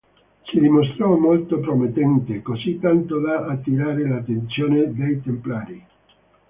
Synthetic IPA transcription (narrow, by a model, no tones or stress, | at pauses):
sid̪imost̪ɾɔmolt̪opɾomet̪ːɛnt̪ekosit̪ːant̪od̪aʔːt̪ːiɾaːɾelat̪ːent̪sjoːned̪ejt̪emplaːɾi